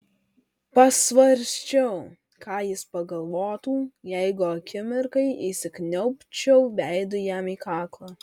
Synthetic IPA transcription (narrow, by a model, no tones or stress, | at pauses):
pɐsʋɐɾʲsʲt͡ʃʲɛʊ | kɑːjɪspɐɡɐlˠʋoːt̪uːjɛɪɡʊɐkʲɪmʲɪɾkɐɪʔisʲɪknʲɛʊpʲt͡ʃʲɛʊʋʲæɪd̪ʊjæmiːkɑːklˠɑː